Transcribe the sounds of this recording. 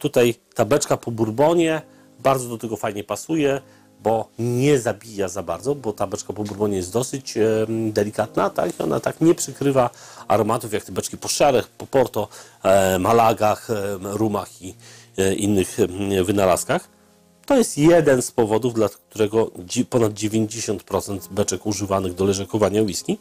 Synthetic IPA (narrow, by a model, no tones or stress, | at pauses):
t̪ut̪ajt̪abɛt͡ʂkapɔbuɾbɔɲɛ | baɾd̪zɔd̪ɔt̪ɛɡɔfajɲɛpasujɛ | bɔɲɛzabʲijazabaɾd̪zɔbɔt̪abɛt͡ʂkapɔbuɾbɔɲɛjɛs̚d̪ɔsɘt͡ɕd̪ɛlʲikat̪nat̪a̰kiɔ̰nʔa̰t̪akɲɛpʂɘkɾɘvaa̰ɾɔmat̪ufjak̚t̪abɛt͡ʂkʲipɔʂɛɾɛxpɔpɔɾt̪ɔ | malaɡaxɾumaxi | ʔinːɘxvɘnala̰skax | t̪ɔjɛst̪jɛd̪ɛnspɔvɔd̪uvd̪lak̚t̪uɾɛɡɔpɔnad̪̚d͡ʑevʲjeɲd͡ʑeɕɔnt̪pɾɔt̪sɛnt̪bɛt͡ʂɛkuʐɘvanɘɣd̪ɔlɛʐɛkɔvaɲawiskʲi